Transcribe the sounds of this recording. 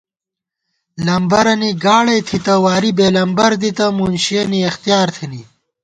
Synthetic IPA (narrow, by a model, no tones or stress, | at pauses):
lɐmbɐɾɐniɡaːɽɐjt̪ʰit̪ɐwaːɾibeːlɐmbɐɾd̪it̪ɐmuːnɕɐniext̪ijaːɾt̪ʰini